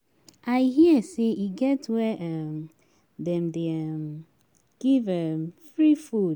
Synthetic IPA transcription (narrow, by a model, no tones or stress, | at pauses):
aɪhiəseiɡɛtwɛʔam | dɛ̃mdeam | ɡ̥ivɛmfɹifu